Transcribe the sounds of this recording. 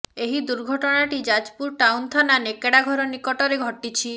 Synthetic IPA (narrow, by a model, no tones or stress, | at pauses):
eɦid̪uɾɡʱɔʈɔɽ̃aʈid͡ʒad͡ʒpuɾʈawnt̪ʰɔnanekeɽaɡʱɔɾɔnikɔʈɔɾeɡʱɔʈit͡ʃʰi